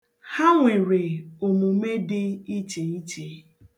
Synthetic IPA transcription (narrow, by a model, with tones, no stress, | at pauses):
ha˦ŋʷe˨ɾe˨o˨mu˨me˦dɪ˦i˦t͡ʃe˨i˦t͡ʃe˨˦